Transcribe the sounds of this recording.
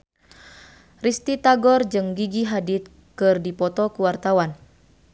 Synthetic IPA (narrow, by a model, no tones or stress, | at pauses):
rist̪it̪aɡɔrd͡ʒɨŋɡiɡiɦadit̪̚ | kɨrdipɔt̪ɔkuwart̪awan